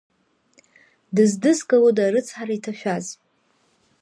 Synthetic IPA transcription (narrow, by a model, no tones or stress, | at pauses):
dɨzdɨskʼawodaɾɨt͡sʰħaɾaitʰaʃᶣaz